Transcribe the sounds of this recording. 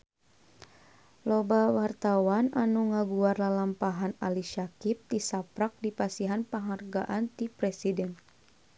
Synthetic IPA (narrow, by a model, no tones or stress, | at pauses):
lɔbawart̪awananuŋaɡuarlalampaɦanaliʃakip̚t̪isapɾak̚dipasiɦanpaŋarɡaʔant̪ipɾɛsidɛn